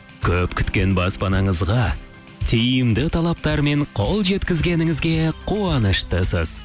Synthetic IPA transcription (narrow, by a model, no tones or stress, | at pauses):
kʲʰɵpkʲʰʏ̥t̪kʲe̞nbɑspɑnɑɴəzʁɑ | t̪ʰijɪmd̪ɪt̪ʰɑlˠɑp̚t̪ɑɾme̞ɴqʰo̞lˠʒe̞t̪kʲɪzɡʲe̞nɪŋɪzɡʲe̞qʰuɑnəʃt̪əsə̰z̥